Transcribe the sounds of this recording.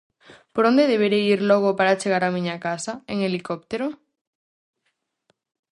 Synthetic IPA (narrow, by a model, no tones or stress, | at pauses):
poɾond̪eðeβ̞eɾeiɾloɣ̞opaɾat͡ʃeɣaɾamĩɲakasaeŋelikop̚t̪eɾo